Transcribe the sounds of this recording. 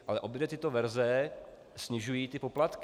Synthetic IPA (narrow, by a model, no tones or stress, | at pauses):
ʔalɛʔo̞bjɛdɛt̪ɪt̪ovɛɾzɛ | sɲɪʒujiːt̪ɪpo̞plat̪k